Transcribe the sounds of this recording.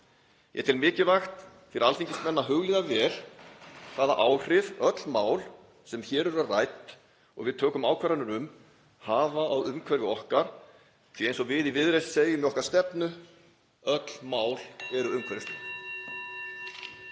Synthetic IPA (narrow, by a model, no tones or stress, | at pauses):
jʔɛ̰t̪ʰɪlmɪːcɪvaxt̪ | fɪɾalθiŋcɪst̪mɛnːaɦʏɣlɪðavɛːl̥ | θaːðaʔaːwr̥ɪvœt̪l̥maːwl | sɛmçɛːɾɛɾarajt̪ | ɔ̰ɣvɪðt̪ʰœːkʏmaːwkʰvɛɾanʏɾʏm | haːvaːwʏmkʰvɛɾvɪɔhkaɾ̥ | θiejnsɔɣvɪðivɪðɾejsseːjʏmɛɔhkaɾ̥st̪ɛpnʏ | œt̪l̥maːwlɛɾʏʏmkʰvɛɾvɪst̪a